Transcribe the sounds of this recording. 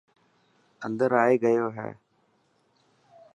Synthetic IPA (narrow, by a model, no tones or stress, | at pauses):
ənd̪əɾaːeːɡəjoːɦɛ̰ː